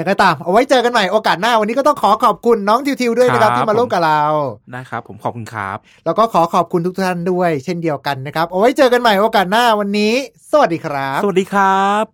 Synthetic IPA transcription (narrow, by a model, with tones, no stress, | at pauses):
ja˨˩ŋka˧˩t̪aː˨˩mʔa˧wa˦˥jt͡ɕɤː˧ka˧nma˨˩jʔoː˧kaː˨˩t̪̚naː˥˩wa˧nːiː˦˥kːɔ˥˩t̪ɔ˥˩ŋkʰɔː˩˦kʰɔː˨˩p̚kʰu˧nːɔː˦˥ŋt̪ʰi˧wt̪ʰi˧wdu˥˩əjna˦kʰa˦˥t̪ʰiː˥maː˧luː˥˩k̚a˨˩ɾa˧wna˦˥kʰɾa˦˥pʰːo˩˦mkʰɔː˨˩kʰu˧nkʰɾa̰ː˦˥p̚lɛː˦˥wkɔː˥˩kʰɔː˩˦kʰɔː˨˩p̚kʰu˧nt̪u˦˥kt̪ʰtʰa˥˩ndu˥˩əjt͡ɕʰe˥˩ndi˧əwka˧nːa˦˥kʰɾa˦˥p̚ʔa˧wa˦˥jt͡ɕɤː˧ka˧nma˨˩jʔoː˧kaː˨˩t̪̚naː˥˩wa˧nːiː˦˥sa˧wa˨˩diː˧kʰɾa˦˥s̚diː˧kʰɾa˦˥p̚